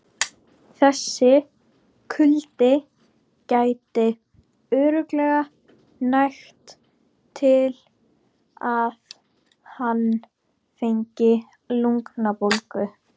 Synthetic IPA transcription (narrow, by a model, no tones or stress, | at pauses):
θɛsːɪ | kʰʏlt̪ɪ | caːjt̪ɪ | œːɾʏklɛɣa | najxt̪ʰ | ɪl | að | hanː | feɲcɪ | luŋknapowlkʏ